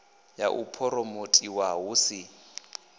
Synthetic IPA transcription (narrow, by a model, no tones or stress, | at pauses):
jaʔupʰɔɾɔmotʼiwaɦusɪ